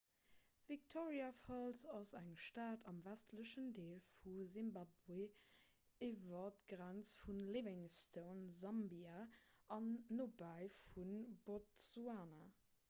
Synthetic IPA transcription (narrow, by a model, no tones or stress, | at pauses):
vik̚tʰoʁiafɔlzɑsæŋʃtaːdɑmvæstʰləʃəndeːlfuzimbabwe | ivɐtɡ̥ʁænt͡sfunlevɪŋstʰəʊnzɑmbiaɑnːobaɪfunbotsuaːna